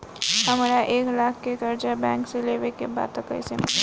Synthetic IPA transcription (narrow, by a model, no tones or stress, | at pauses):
ɦəmaɾjaʔeːklakʰkekəɾd͡ʒabɛ̃ŋkseleʋekeba̰t̪əkə̰jsem